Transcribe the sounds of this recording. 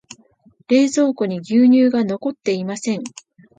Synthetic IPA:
ɾe̞ːzo̞ːkoɲ̟iɡʲɨːɲ̟ɨːɡano̞ko̞t̪ːe̞imasẽ̞ŋ

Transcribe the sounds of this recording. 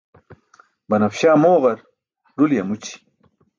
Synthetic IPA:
bɐnɐfɕaːmoːʁɐɾ | ɖuljɐmut͡ɕi̥

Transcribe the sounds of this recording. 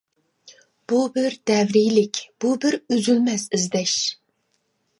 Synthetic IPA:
b̥ubɪɾd̪ɛvɾɪjlɪkʲb̥ubɪɾøzylmɛsizd̪ɛʃ

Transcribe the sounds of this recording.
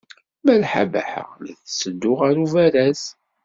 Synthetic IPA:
mælħa̰bæ̰ħə̰ʁliθsəd̪ːʊʁaɾuvæɾæz

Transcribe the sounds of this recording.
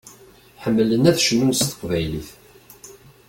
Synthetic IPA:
ħəmːələnæθʃnunsθə̥qvæjliθ

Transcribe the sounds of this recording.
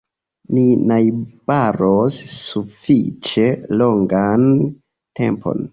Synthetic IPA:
ninajb̥aɾosːufit͡ʃe̞lo̞ŋɡan | te̞̰mpʰo̞̰n

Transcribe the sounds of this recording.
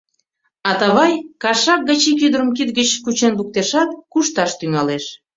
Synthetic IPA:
ɑt̪ɑβɑjkɑʃɑk̚ɡət͡ɕikyd̪əɾəmkit̪ɡət͡ɕkut͡ɕenluk̚t̪eʃɑt̪̚kuʃt̪ɑʃt̪yŋɑleʃ

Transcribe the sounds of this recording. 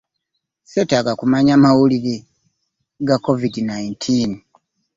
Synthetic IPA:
setaɡakumaɲaːmawuliɾi | ɡakːo̞vidinaintʰiːn

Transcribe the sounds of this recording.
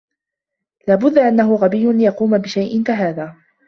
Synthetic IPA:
laːbʊd̪ːaʔanːaɦʊɣabijːʊlɪjɑquːmabɪʃajʔɪnkaɦaːðaː

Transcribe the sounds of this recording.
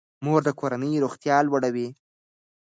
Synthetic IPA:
moɾd̪əkoɾanəjɾoxt̪jɑlwaɽawi

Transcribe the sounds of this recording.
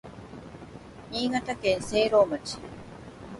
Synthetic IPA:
iːŋɐʈɐkeːnseːɾoːmɐt͡ʃːi

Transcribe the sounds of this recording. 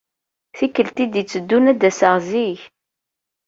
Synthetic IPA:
θikːəlt̪id̪it͡sːəd̪ːunæd̪æsəʁziç

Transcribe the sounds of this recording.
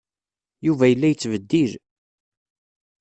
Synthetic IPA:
juvæjəlːæjət͡sːvəd̪ːil

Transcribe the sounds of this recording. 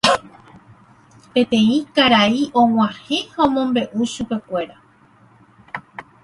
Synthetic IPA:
pẽ̞t̪ẽ̞ĩkaɾaiʔõ̞w̃ãhe̞haõmõmbe̞ʔuʃupe̞kʷe̞ɾa

